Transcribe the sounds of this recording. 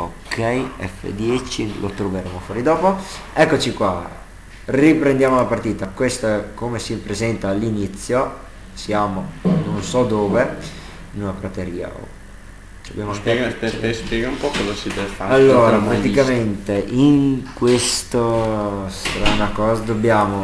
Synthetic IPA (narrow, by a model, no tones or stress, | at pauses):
okʰːɛjɛ̰fːḛd̪jɛt͡ʃilo̰t̪ɾoveɾeːmofwɔːɾid̪ɔːpoɛkːot͡ʃikwa | ripɾend̪jaːmolapart̪iːt̪akwest̪oɛkomesipɾezɛnt̪aːlːinit̪sːjo | sjaːmononsɔd̪oːve | nunapɾat̪eɾiːa̰o̰ | dobjaːmoaŋkeɡeespjɛːɡaumpɔkɔzasid̪ɛvefaalːoːɾapɾat̪ikament̪eʔiŋkwest̪ost̪ɾaːnakɔːzad̪obːjaːmo